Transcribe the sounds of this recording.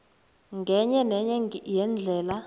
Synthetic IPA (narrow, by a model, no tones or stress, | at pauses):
ŋɡʱɛɲɛnɛɲɛjɛnd͡ɮʱɛːla